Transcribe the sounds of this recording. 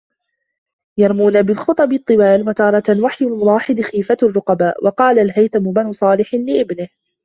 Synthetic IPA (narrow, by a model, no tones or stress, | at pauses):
jɑɾˤmuːnabɪlxʊt̪ˤɑbɨt̪ˤːɨwaːlmat̪ɑːɾˤɑt̪lwaħjalmʊlɑːħɪd̪xiːfarˤːʊqɑbaːʔwʔɑqɑːlalɦajt̪amʊbanʊsˤɑːlɪħnlɪʔɪbnɪh